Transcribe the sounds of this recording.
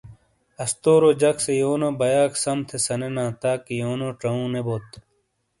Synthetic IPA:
ɐst̪oːɾod͡ʑɐksejoːnobɐjaːksɐmt̪ʰesɐnenãːt̪aːkijoːnoːʈ͡ʂɐũːneboːt̪

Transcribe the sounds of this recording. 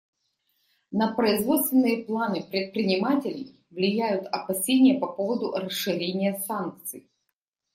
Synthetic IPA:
nəpɾəɪzvo̞t̪st̪vʲɪnːɨjəplˠanɨpɾʲɪt̪̚pɾʲɪnʲɪmatʲɪlʲɪj | vlʲɪjæjʊt̪ɐpɐsʲenʲɪjəpɐpovəd̪ʊ̰rəsʂɨɾʲenʲɪjəsank̚t̪sɨj

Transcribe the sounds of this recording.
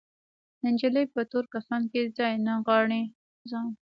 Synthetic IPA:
nɪnd͡ʒələjpət̪oɾkasɑnkezɑjnaɣwɑɳi | zɑn

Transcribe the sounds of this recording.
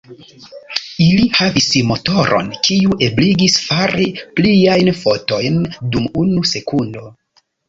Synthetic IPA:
ilihavismo̞to̞ɾʔo̞̰nkʰiuʔe̞bliɡisfaɾipliajnfo̞to̞jndumunuse̞kundo̞

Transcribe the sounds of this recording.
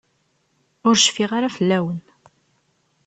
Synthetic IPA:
ʊɾʃfiʁaɾafəlːæwən

